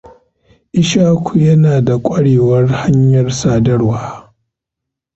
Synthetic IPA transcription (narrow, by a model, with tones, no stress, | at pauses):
ʔɪ˦ʃaː˦kʷʰu˨jɐ˦naː˨da˨kʷʼɐ˦ɽeː˨wɐ˦rha˦ɲjɐ˨rsaː˨dɐ˦rwaː˦